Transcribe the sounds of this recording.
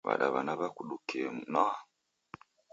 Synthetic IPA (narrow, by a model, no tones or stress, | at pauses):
βa̰ɗaβanaβakuɗukemna